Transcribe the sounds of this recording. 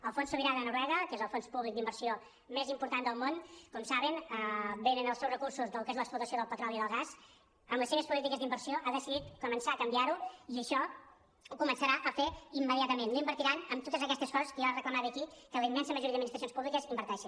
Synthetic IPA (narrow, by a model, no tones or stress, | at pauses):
əlˠfonsuβiɾaðənuɾɛɣəkezəlˠfonspuβlik̚d̪imbəɾsio | mezimpuɾt̪and̪əlˠmonkɔmsaβ̞ənəbenənəlˠsɛwzrəkursuzðəlukezləksplut̪əsioðəlˠpət̪ɾɔliðəlˠɣas | əmləseβəspulit̪ikəzd̪imbəɾsioʔaðəsiðit̪kumənsakəmbiaɾuiəʃɔ | ukumənsəɾaʔəfeimːəðiat̪əmennoimbəɾt̪iɾanəmt̪ot̪əzəkɛst̪əskɔəskiarəkləmat̪əkikələimːɛnsəməʒuɾiəminist̪ɾsjonspuβlikəzimbəɾt̪ɛʃin